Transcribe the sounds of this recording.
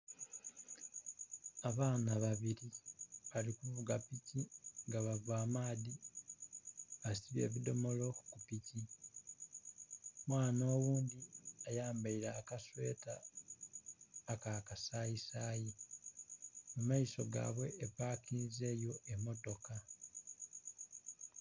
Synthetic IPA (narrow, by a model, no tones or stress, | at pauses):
aβaːnaβaβiɾiβalikuvuɡapiciŋɡaβavaːmaːdi | βasiβje̞̰ːβido̞mo̞lo̞kupici | mwaːno̞ːwuːnd̪iajaːmbaiɾaːkaswe̞ːta | kakasaisaːji | mumaiso̞ɡa̰ːβwe̞ʔːpaːkinize̞ːjo̞ʔe̞mo̞to̞ka